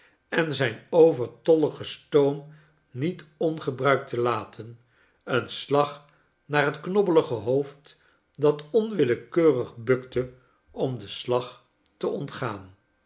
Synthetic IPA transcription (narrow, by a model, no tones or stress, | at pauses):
ɛnzɛjnowvəɹtɔləχəstowm | nitɔnχəbrœɥk̚təlaːtʰən | ənslɑχ | naːɹɦətknɔbələχəɦowft | dɑtɔnʋɪləkøːrəχbɵktə | ɔmdəslɑχ | təʔɔntχaːn